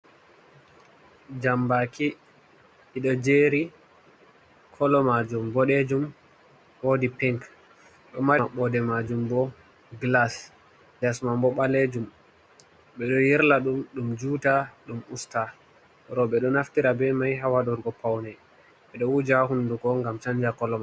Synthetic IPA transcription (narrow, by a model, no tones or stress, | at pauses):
d͡ʒambaki | iɗɔd͡ʒeɾi | kʰɔlɔmad͡ʒumbɔɗed͡ʒum | woːdipɛŋk | ɗɔmaɓɔdɛmad͡ʒumbɔ | ɡlas | d͡ʒasmambɔɓaled͡ʒum | ɓɛɗɔjiɾlaɗumɗumd͡ʒutaɗumusta | ɾɔɓɛɗɔnaftiɾabɛmajɦawaɗɔɾɡɔpawnɛ | ɓɛɗɔwud͡ʒahunduɡɔŋɡamt͡ʃaɲd͡ʒakɔlɔma